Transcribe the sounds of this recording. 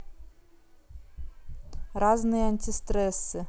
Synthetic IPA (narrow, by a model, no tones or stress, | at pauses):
ɾɑznɨjɐnʲt̪ʲɪst̪ɾɛsɨ